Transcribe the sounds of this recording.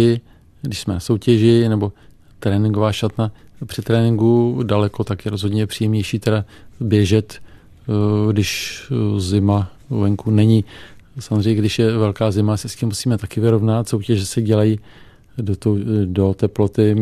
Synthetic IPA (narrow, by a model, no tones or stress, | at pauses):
ɪ | ɡdɪʃsmɛnaso̞wcɛʒɪnɛbo̞ | t̪ɾɛːnɪŋɡovaːʃat̪napr̥ɪt̪ɾɛːnɪŋɡudalɛkot̪akjɛɾo̞zɦo̞dɲɛɛpr̥iːjɛmɲɛjʃiːt̪ɛdabjɛʒɛt̪ | ɡdɪʃ | zɪma | vɛŋkunɛɲɪsamozrɛjɲɛɡdɪʃjɛvɛlkaːzɪmasɛscimːusiːmɛt̪akɪvɪɾo̞vnat̪so̞wcɛʒɛsɛɟɛlaji | dot̪owdo̞t̪ɛplo̞t̪ɪ